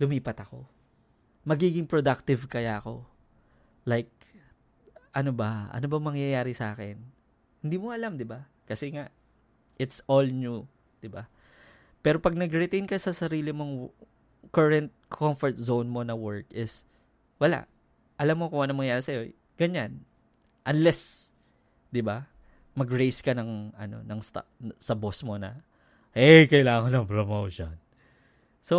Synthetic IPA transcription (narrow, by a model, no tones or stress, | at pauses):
lʊmiːpɐt̪ɐko̞̰ | mɐɡiːɡɪŋpɾod̪ak̚t̪ɪvkɐjaʔɐko̞ | lajk̚ | ʔɐnobɐʔɐ̰nobɐŋmɐŋjɐjaːɾɪsʔaːkɛn | hɪnd̪iːmoʔɐlamd̪ɪba | kɐsɛŋaʔ | ʔɪt̪solnju | d̪̥ɪba | pɛːɾo̞pɐɡ̚nɐɡɾɪt̪ejnkɐsɐsɐɾiːlɪmoŋ | kɐɹɛnt̪̚kʰomfɔɹt̪̚zownmo̞nɐwɛɹkʔɪs | wɐla̰ʔ | ʔɐlamːokʊŋʔɐnɐmːɐŋjaːɾisɐjo̞ | ɡ̥ɐɲan | ʔɐnlɛs | d̪ɪba | mɐɡɹejskɐnɐŋɐ̰no̞̰nɐŋst̪a̰sɐbosmo̞nɐ̰ | ʔɛkɐjlaːŋonɐŋpɹomowʃon | so